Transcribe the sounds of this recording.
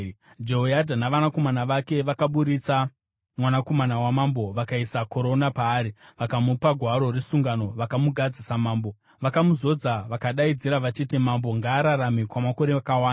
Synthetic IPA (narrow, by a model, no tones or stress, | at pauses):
d͡ʒeɦoadʱanaʋanako̞manaʋake̞ʋakaɓuɾit͡sa | mwanako̞manawamambo̞ʋakaisako̞ɾo̞napaːɾiʋakamupaɡʱwaɾo̞resuŋɡano̞ʋakamuɡʱad͡zisamaːmbo̞ | ʋakamuzo̞d͡zaʋakaɗaid͡ziɾaʋat͡ʃitimambo̞ŋɡaːɾaɾamikwamako̞ɾeakawaːna